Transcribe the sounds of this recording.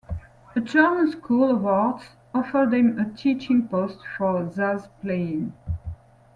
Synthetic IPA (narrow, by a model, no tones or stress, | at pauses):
əd͡ʒɜ˞mə̃nskʰulˠəwɔɹts | ɔfə˞d̪ðɛ̃mətʰit͡ʃɪ̃ŋpostfɔ˞zazpleɪɪ̃ŋ